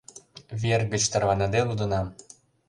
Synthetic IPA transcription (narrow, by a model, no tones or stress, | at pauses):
βerɣə̆t͡ɕt̪ərvɑnɑd̪elud̪ə̆nɑm